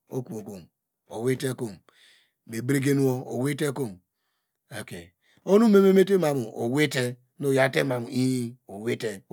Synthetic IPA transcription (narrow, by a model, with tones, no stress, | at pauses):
o̰˦ku˦˨o˨ko˨m | o̰˨we˦te˦ko˨m | me˨bɾe˦ɡe˦nu˦o˦o̰˨we˦te˦ko˦˨m | e˨ke˨ | o˦nu˦me˦me˦me˦t̬e˦ma˨mu˨o˨we˦te˦ | no˨ja˦tḛ˦ma˨mu˨i˦o˨we˦te˦